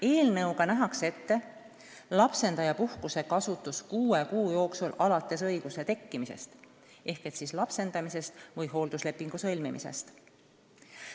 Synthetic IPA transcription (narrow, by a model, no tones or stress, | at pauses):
e̞ːlnɤwɡɑnæɦɑkse̞t̪ːe̞ | lɑpse̞nd̪ɑjɑpuhkuse̞kɑsut̪ːˑuskuːe̞kuːjo̞ːksulɑlɑt̪ːˑe̞sɤjɡ̥use̞t̪e̞kːimise̞̰st̪ | ʔe̞hke̞t̪sislɑpse̞nd̪̥ɑmise̞st̪vɯjɦo̞ːld̪usle̞pːiŋɡ̥usɤlʲmimḭse̞̰st̪